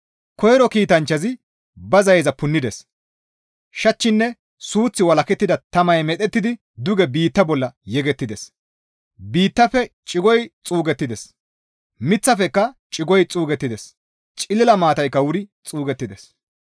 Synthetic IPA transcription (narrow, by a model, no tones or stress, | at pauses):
kɔjɛɾɔkiːt̪ɐnt͡ʃːɐzɪ | bɐzɐjzɐpʊnːɪd̪ɛs | ʃɐt͡ʃːɪnːɛ | suːt͡sːɪwɐlɐkɛt̪ːɪd̪ɐt̪ɐmɐjmɛt̪ɛt̪ːɪd̪ɪ | d̪ʊɡɛbiːt̪ːɐbɔlːɐjɛɡɛt̪ːɪd̪ɛs | biːt̪ːɐfɛt͡ʃʼɪɡɔjt͡sʼuːɡɛt̪ːɪd̪ɛs | mɪt͡sːɐfɛkːɐt͡ʃʼɪɡɔjt͡sʼuːɡɛt̪ːɪd̪ɛs | t͡ʃʼɪlɪlɐmaːt̪ɐjkːɐwʊɾɪt͡sʼuːɡɛt̪ːɪd̪ɛs